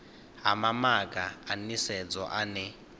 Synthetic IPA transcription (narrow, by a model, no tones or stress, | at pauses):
ɦa̰mamak̬ʼaːnisɛd͡zɔʔanɛ